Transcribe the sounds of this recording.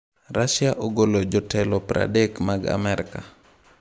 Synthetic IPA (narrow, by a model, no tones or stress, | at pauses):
ɾaʃjaʔoɡolod͡ʒɔtɛlɔpɾa̰dekmaɡa̰mɛɾɪka